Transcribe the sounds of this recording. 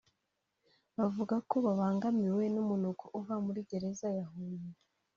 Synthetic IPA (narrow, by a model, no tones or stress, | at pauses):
βavuɡako̞βaβaːŋɡamiwe̞numunukʰoʔuvamuɾiɟe̞ɾe̞zajaɦuːnije